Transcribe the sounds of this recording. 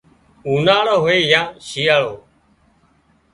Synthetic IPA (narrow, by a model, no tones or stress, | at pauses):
uːnaːɭoːɦoːeːjãːʃiːjaːɭoː